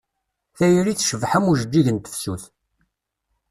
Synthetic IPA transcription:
θæjɾiθʃəvħæmuʒəd͡ʒːiʝənt̪ə̥fsuθ

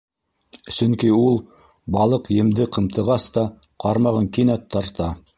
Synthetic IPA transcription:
sɵŋkiulˠ | bɑlˠɤqjɘ̆md̪ɘqɤ̆mt̪ɤ̆ʁɑst̪ɑ | qɑɾmɑʁɤŋkinæt̪ʰːɑɾt̪ɑ

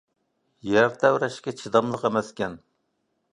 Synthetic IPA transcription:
jæɾt̪ʰɛwɾɛʃkʲɛt͡ʃʰid̪ɑmlˠəqemɛskʲɛn

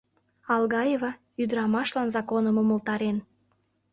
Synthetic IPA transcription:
ɑlɣɑjevɑ | yd̪əɾɑmɑʃlɑnzɑkonəməməlt̪ɑɾen

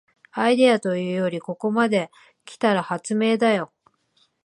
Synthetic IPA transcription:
aid̪e̞at̪o̞jɯ̟ːjo̞ɾʲiko̞ko̞mad̪e̞ | kʲi̥t̪aɾahat͡sɨme̞ːd̪ajo̞

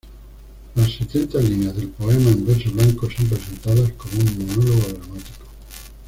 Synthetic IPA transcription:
lasːet̪jent̪azlinjazðe̞lpo̞emaembeɾsoβlaŋkoso̞mpɾese̞nt̪aðasko̞moummonoloɣ̞oðɾamat̪i̥ko̥

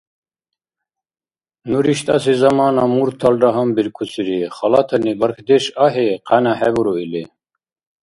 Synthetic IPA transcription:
nuɾiʃt̪ʼas̬izamaːnamuɾt̪ʰːalɾaɦambiɾkʰusʼiɾiχalat̪ʰanibaɾkʰd̪ɛʃaɦɛqʰanaħɛbuɾɔili

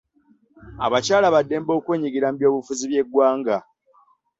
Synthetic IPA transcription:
a̰βacaːlaβadːe̞ːmbo̞ːkweːɲiɡiɾambjo̞ːβufuziβje̞ɡwaːŋɡa

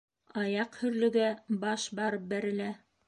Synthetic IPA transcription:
ɑjɑqhɵ̆ɾlɵ̆ɡæbɑʃbɑɾɤp̚bæɾɘ̆læ

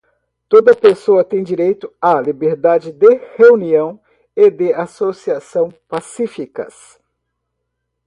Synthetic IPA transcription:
t̪od̪ɐpesoɐt̪ẽj̃d͡ʒiɾejt̪ʊalibeɾd̪ad͡ʒɪd̪eheuniɐ̃w̃ | ed̪easosiasɐ̃w̃pasifikɐ̰s

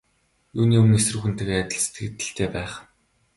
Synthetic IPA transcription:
juːniːɵmɘ̆nes̆rɘ̆xŭnt̪ʰĕɣeːæːt̪ʲɪ̆ɮse̥t̪ɡɘ̆t̪ːɘ̆ɬt̪ʰeːpæːχ

